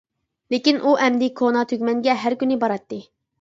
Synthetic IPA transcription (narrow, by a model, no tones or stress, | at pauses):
lekʲinʔuʔɛmd̪ɪkʰonɑt̪ʰøɡʲmɛŋɡʲɛɦæɾkʲynɪbɑɾɑt̪ːɨ